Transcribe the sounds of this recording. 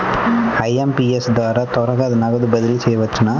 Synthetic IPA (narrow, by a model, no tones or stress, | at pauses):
ɐjɐmpiɛsd̪aːɾɐt̪ɔɾɐɣɐɐðɐnaːɣɐðɯbɐðɪlisɛjːɐʋɐt͡ʃːɯnaː